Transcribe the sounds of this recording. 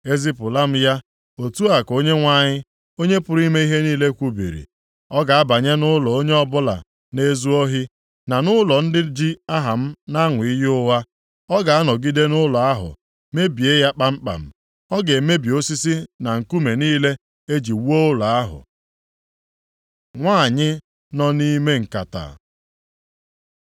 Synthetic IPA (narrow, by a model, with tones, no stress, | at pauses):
e˦zi˦pʊ˨la˦m̩˦ja˦ | o˨tu˦a˨ko˦ɲe˦ŋʷa˦˨ɲɪ˦ | o˦ɲe˦pʊ˨ɾi˦me˦i˦ɦe˦niː˦le˦kʷu˦bḭ˨ɾḭ˨ | ɔ˦ɡa˨a˦ba˨ɲe˦nʊ˦lɔ˨o˦ɲe˦ɔ˦bʊ˦la̰˨ | ne˦zu˦ɔ˦ɦi˦ | na˨nʊ˦lɔ˨n̩˦dɪ˦d͡ʒi˦a˦ɦa˨m̩˦na˦ŋʊ˨i˦jʊ˦wa˦ | ɔ˦ɡa˨a˦nɔ˨ɡi˦de˦nʊ˦lɔ˨a˦ɦʊ̰˨ | me˦bi˨e˦ja˦k͡pa˦m̩˦k͡pa̰˨m̩˦ | ɔ˦ɡe˨me˦bi˨o˦si˦si˦na˨ŋ̩˨ku˦me˨niː˦le˦ | e˦d͡ʒi˨wu˦o˦ʊ˦lɔ˨a˦ɦʊ̰˨ | ŋʷa˦˨ɲɪ˦ | nɔ˦ni˦me˦ŋ̩˨ka˨ta̰˨